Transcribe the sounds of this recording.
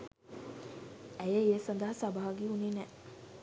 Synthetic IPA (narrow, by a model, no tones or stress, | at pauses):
æjeeːsɐnd̪ɐɦɐsɐbaɦɐɡiuninɛ